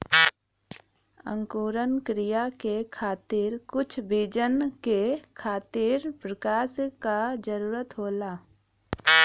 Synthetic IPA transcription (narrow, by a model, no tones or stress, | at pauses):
ə̰̃ŋkuːɾənkɾɪjakekʰaːt̪iːɾkʊt͡ʃʰbiːd͡ʒənkekʰaːt̪iɾpɾəkaːskad͡ʒəɾuːɾət̪ɦoːlaː